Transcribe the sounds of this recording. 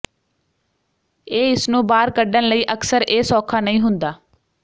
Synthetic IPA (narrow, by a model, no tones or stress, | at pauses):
eːɪsnũːbaːɾkəɖənləiːʔəksəɾeːsɔːkʰaːnəĩːɦʊnd̪aː